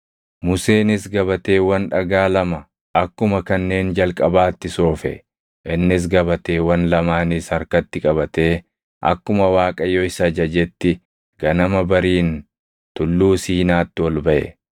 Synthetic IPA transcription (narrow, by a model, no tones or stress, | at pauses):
mʊse̞ːnɪsɡɐbɐt̪eːwɐnᶑɐɡaːlɐmɐ | ɐkːʊmɐkɐnːe̞ːnd͡ʒɐlkʼɐbaːt̪ːɪso̞ːfɛ̰ | ʔɪnːɪs̬ɡɐbɐt̪eːwɐnlɐmaːnɪshɐɾkɐt̪ːɪkʼɐβɐt̪e̞ː | ʔɐ̰kːʊmɐwaːkʼɐjɔɪsɐd͡ʒɐd͡ʒɛt̪ːɪ | ɡ̥ɐnɐmɐbɐɾiːn | t̪ʊlːuːsiːnaːt̪ːɪwɔlbɐʔɛ̰